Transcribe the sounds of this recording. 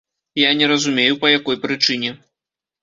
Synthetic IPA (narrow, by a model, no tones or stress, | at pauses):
janʲɛɾɐzumʲejupɐjakɔjpɾɨt͡ʂɨnʲɛ